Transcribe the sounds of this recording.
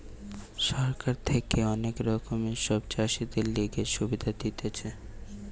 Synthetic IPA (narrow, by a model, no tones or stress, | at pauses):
ʃɔɾkaɾt̪ʰekeɔnekɾɔkomeʃɔbt͡ʃaʃid̪elːiɡeɾʃubid̪ʱad̪it̪ʰet͡ɕʰe